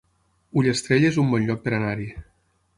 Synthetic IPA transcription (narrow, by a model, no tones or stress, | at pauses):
uʎest̪ɾeʎezumbɔnʎɔk̚peɾanaɾi